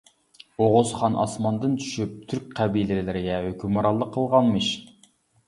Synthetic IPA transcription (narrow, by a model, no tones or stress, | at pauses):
oʁʊzχɑnʔɑ̰smɑnd̪ɨnt͡ʃ̪ʰy̥ʃyp̚t̪ʰyɾk̚ʲqʰæbijlɪllɪɾɪɡʲɛɦhøkʲʰymɾɑlˠːəqʰːəlˠʁɑnmɨʃ